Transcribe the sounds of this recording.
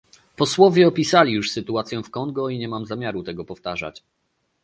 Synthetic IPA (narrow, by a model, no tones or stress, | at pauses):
pɔswɔvʲjɛɔpʲisalʲijuʂsɘt̪uat̪sʲjɛ̃fkɔŋɡɔiɲɛmamzamʲjaɾut̪ɛɡɔpɔft̪aʐa̰t͡ɕ